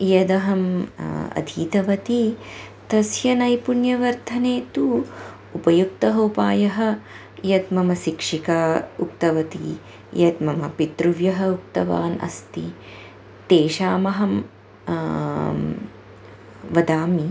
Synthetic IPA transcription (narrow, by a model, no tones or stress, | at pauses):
jɐd̪ɐɦɐmɐ̰d̪ʱiːt̪ɐʋɐt̪it̪ɐsjɐnɐjpuɳjɐʋɐɾd̪ʱɐneːt̪u | upɐjuk̚t̪ɐɦɐupaːjɐɦɐ̆ | jɐt̪mɐmɐsikʂikaːuk̚t̪ɐʋɐt̪ḭ | jɐt̪mɐmɐpit̪ɾuʋjɐɦɐuk̚t̪ɐʋa̰ːnɐ̰st̪i | t̪eːʃaːmɐɦɐm | ʋɐd̪aːmi